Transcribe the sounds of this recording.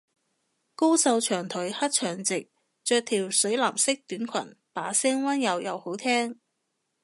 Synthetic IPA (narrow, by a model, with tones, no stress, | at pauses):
ko˥wsɐ˧wt͡ʃʰœː˨˩ŋt̪ʰɵ˨˥jhɐ˥t̚t͡ʃʰœː˨˩ŋt͡sɪ˨k̚ | t͡ʃœː˧k̚t̪ʰiː˨˩wsɵ˨˥ɥlaː˨˩msɪ˥k̚t̪yː˨˥nkʰɐ̰˨˩npaː˨˥sɛː˥ŋwaː˥njɐ˨˧wjɐ˨˧who˨˥wt̪ʰɛː˥ŋ